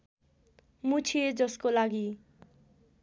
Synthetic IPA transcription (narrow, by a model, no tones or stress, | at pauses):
mut͡sʰied͡zʌskolaɡi